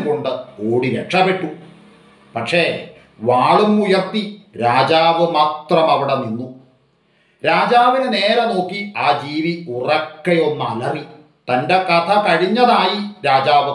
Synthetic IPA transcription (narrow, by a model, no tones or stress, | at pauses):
koɳɖɨoːɽiɾekʂɐpe̞ʈːu | pɐʈʂe̞ | ʋaːɭumujɐrt̪iɾaːd͡ʑaːʋɨmaːt̪rɐmɐʋiɽeninːu | ɾaːd͡ʑaːʋinɨne̞ːɾɐno̞ːkːiaːd͡ʑiːʋiurɐkːɐjo̞nːɐlɐri | t̪ɐnde̞kɐt̪ʰɐkɐɻiɲːɐðaːjiɾaːd͡ʑaːʋɨ